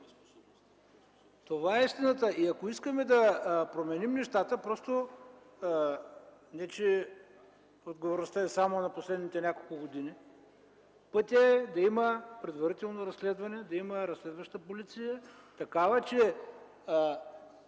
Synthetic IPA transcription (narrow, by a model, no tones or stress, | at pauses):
t̪ovaɛist̪inət̪əʔiɐkoiskəmɛd̪ɐpɾomɛnimnɛʃt̪at̪əpɾɔst̪o | nɛt͡ʃɛ | od̪ɡovoɾnost̪aɛsamonɐposlɛd̪nit̪ɛnʲakolˠkʊɡod̪ini | pɤt̪ʲɐɛd̪ɐiməpɾɛd̪vɐɾit̪ɛlˠnoɾɐslɛd̪vɐnɛd̪ɐiməɾɐslɛd̪vɐʃt̪əpolit̪sijət̪ɐkavɐt͡ʃɛ